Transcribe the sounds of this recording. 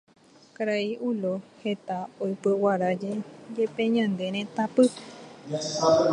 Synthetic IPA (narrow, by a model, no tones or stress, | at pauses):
kaɾaiʔulohet̪aojpɨwaɾad͡ʒed͡ʒepẽɲãnd̪eɾ̃ẽt̪apɨ